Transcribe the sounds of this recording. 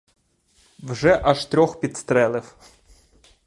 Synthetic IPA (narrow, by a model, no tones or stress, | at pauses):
wʒɛʔɐʃt̪ɾʲɔxpʲid̪st̪ɾɛlˠɪw